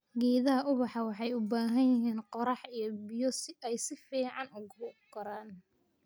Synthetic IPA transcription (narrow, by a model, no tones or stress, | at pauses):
ɡɛːðɐɦɐʔʊβɑħɑwɑħɑjʊbaːɦɐnjɪɦiːnqɔɾɑħijɞbɪjɔsɛjsɪfiːʕɑnʊɡɡ̥ɐɾaːn